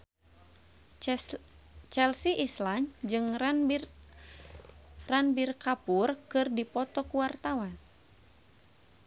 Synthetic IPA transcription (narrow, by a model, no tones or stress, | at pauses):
t͡ʃɛlsiʔisland͡ʒɨŋ | ranbirkapurkɨrdipɔt̪ɔkuwart̪awan